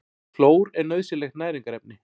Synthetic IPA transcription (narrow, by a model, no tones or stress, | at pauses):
floːwɾɛɾnœɥðsɪlɛxt̪naːjɾiŋkaɾɛp̚nɪ